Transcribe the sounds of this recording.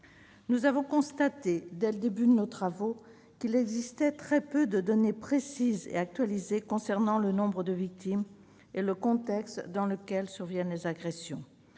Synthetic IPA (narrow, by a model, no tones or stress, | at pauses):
nuzavɔ̃kɔ̃st̪at̪ed̪ɛləd̪ebyd̪ənot̪χavo | kilɛɡzist̪ɛt̪χɛpød̪əd̪ɔnepχesizḛak̚t̪ɥalizekɔ̃sɛʁnɑ̃lənɔ̃bʁəd̪əvik̚t̪im | eləkɔ̃t̪ɛkst̪d̪ɑ̃ləkʲɛlsyʁvjɛnlezaɡʁesjɔ̃